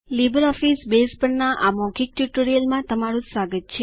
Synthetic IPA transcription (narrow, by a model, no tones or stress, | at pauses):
libəɾɔfisbespəɳnaʔamɔkik̚ʈjuʈoɾijəlmãt̪əmaɾũsaɡət̪̚t͡ʃʰe